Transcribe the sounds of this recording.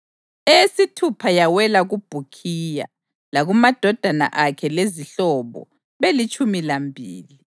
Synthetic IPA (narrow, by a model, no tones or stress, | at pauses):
esitʰupʰajawɛlaɣub̥ʱukʰija̰ | laɣumad̥ʱɔd̥ʱana̰ʔakʰɛleziɬɔβɔ̰ | βelit͡ʃʼumilambʱḭːli